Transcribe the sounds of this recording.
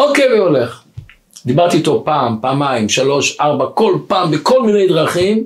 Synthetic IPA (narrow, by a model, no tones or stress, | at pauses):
okejveoleχ | d̪ibaʁt̪iːt̪o̞paːmpaːmaimʃalo̞ʃʔaʁbako̞lpaːmbeko̞lmine̞jd̪ʁaχim